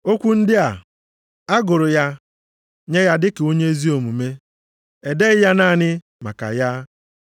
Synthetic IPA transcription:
o˦kʷu˦n̩˦dɪ˦a˨ | a˦ɡʊ˨ɾʊ˨ja˦ | ɲe˦ja˦dɪ˦kɪ˨o˦ɲe˦e˦zi˦o˨mu˨me˦ | e˨de˦ɣɪ˦ja˦na˦˨nɪ˦ | ma̰˨ka̰˨ja˦

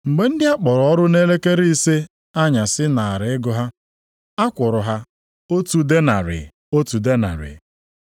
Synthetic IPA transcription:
ŋ͡m̩˨ɡ͡be˨˦n̩˦dɪ˦a˦k͡pɔ˨ɾɔ˦ɾʊ˦ne˦le˦ke˦ɾi˦i˦se˦ | a˦ɲa˨sɪ˦na˨a˨ɾɪ˨ɪ˦ɡʊ˦ɦa˦ | a˦kʷʊ˨ɾʊ˨ɦa˦ | o˦tu˨de˦na̰˨ɾɪ̰˨ | o˦tu˨de˦na̰˨ɾɪ̰˨

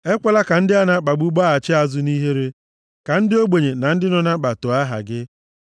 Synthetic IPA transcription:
e˦kʷa˦la˦ka˨n̩˦dɪ˦a˦na˦k͡pa˨ɡ͡bu˦ɡ͡ba˦a˨t͡ʃɪ˦a˦zʊ˦ni˦ɦe˦ɾe˦ | ka˨n̩˦dɪ˦o˦ɡ͡be˨ɲe˨na˨n̩˦dɪ˦nɔ˦na˦k͡pa˨to˨a˦ɦa̰˨ɡɪ˦

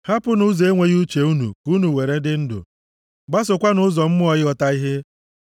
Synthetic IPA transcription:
ha˦pʊ˦nʊ˦ze˦ŋʷe˦ɣu˦t͡ʃe˨u˦nṵ˨ku˦nu˨we˨ɾe˦dɪ˦n̩˦dʊ̰˨ | ɡ͡ba˦s̬ʊ˨kʷa˦nʊ˦zɔ˨m̩˦mʊ˦ɔ˨jɪ˦ɔ˨ta˦i˦ɦe˦

